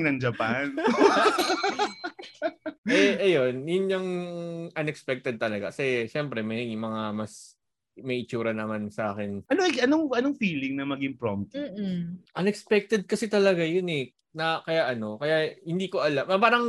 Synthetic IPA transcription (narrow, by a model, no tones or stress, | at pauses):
nɐŋd͡ʒɐpan | ʔɛʔɐjo̞njʊnɲɐŋʔɐnɛkspɛk̚t̪ɛd̪̚t̪ɐlɐɡa̰kɐsɛʃɛmpɾɛmɐjmɐŋamɐs | mɐjʔɪt͡ʃuːɾɐnɐmansɐʔa̰ːkɛnɐnoɐjɐnoŋʔɐnoŋfiːlɪŋnɐmɐɡɪŋpɹomt̪̩ːʔɐnɛkspɛk̚t̪ɛd̪̚kɐsɛt̪ɐlɐɡajonɛ | nɐkɐjaʔɐno̞kɐjahɪnd̪iːko̞ʔɐlamʔɐbaːɾɐŋ